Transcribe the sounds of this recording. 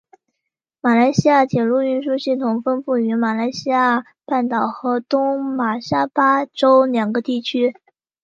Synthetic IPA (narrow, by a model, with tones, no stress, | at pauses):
ma˨˩la˧˥ɪɕi˥ja˥˩t̪ʰjɛ˨˩lu˥˧y˥˧nʂu˥˧ɕi˥˩t̪ʰʊ˨˩ŋfə˥npu˥˩y˧˥ma˨˩la˧˥ɪɕi˥ja˥˩ | pa˥˩nt̪ɑ˨˩ʊxɤ˧˥t̪ʊ˥ŋma˨˩ʂa˥pa˥ʈ͡ʂo˥ʊljɑ˨˩ŋɡə˧˦t̪i˥˩t͡ɕʰy˥